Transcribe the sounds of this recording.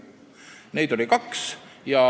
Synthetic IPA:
ne̞jd̪̥o̞lʲikɑksjɑ

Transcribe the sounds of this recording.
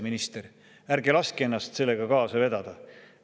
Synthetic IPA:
minist̪eɾ | æɾɡelɑskie̞nːɑst̪se̞lːe̞ɡ̥ɑkɑːsɑve̞d̪ɑd̪̥ɑ

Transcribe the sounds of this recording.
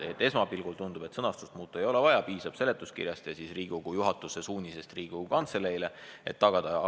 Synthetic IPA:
et̪ːˑe̞smɑpilɡ̥ult̪und̪ub̥e̞t̪sɤnɑst̪u̥st̪muːt̪ːˑue̞jo̞le̞vɑjɑpiːsɑb̥se̞le̞t̪ːˑuskḭrjɑst̪jɑsisriːɡ̥uɡ̥ujuɦɑt̪ːˑusesuːnʲise̞st̪riːɡ̥uukɑnt̪selejle̞ḛt̪ːɑɡ̥ɑd̪̥ɑ

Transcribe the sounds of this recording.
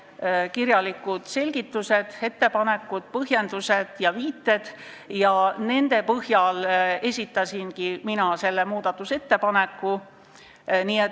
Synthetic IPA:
kirjɑlikːud̪̥se̞lʲɡ̥it̪ːuse̞d̪̥e̞t̪ːe̞pɑne̞kːˑud̪̥̚pɤɦje̞nd̪̥use̞d̪̥jɑviːt̪ːe̞d̪̥ | jɑne̞nd̪e̞pɤhjɑle̞sʲit̪ːˑɑsʲinkiminɑse̞lːe̞muːd̪̥ɑt̪ːˑuse̞t̪ːe̞pɑne̞kːˑu | niet̪

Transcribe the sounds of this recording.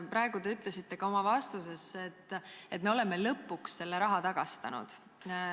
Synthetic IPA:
pɾɑe̞ɡ̥ud̪e̞yt̪ˑle̞sit̪ːe̞ɡ̥ɑo̞mɑvɑst̪use̞se̞t̪ːe̞t̪̚ːˑme̞o̞le̞mːelɤpːˑuksːe̞lːeɾɑɦɑt̪ɑɡ̥ɑst̪ɑ̰nṵd̪̥

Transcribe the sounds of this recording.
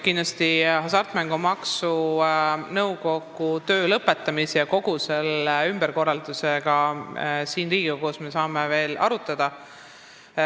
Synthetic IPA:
kind̥̪lɑst̪ihɑs̬ɑrt̪mæŋɡ̥umɑksu | nɤwko̞ɡ̥ut̪ø̞ːlɤpːˑe̞t̪ːˑɑmisejɑko̞ɡ̥use̞leymb̥eɾko̞rːɑld̪useɡ̥ɑsiːnriːɡ̥iɡ̥ɑko̞ːsme̞sɑːmeve̞ːlɑ̰ɾut̪ːˑɑd̪̥ɑ

